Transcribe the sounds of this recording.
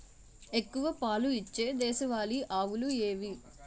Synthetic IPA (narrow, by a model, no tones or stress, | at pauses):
e̞kːuʋɐpaːluit͡ʃːe̞ːd̪ɛːʃɐʋaːliʔaːʋulueːʋi